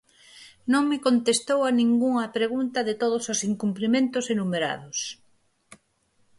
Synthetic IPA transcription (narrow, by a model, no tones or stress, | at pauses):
nõŋmɪkont̪est̪owanĩŋɡuŋɐpɾeɣunt̪ɐðɪt̪oð̞ʊsʊsiŋkumplimẽnt̪ʊsenumeɾa̰ðʊs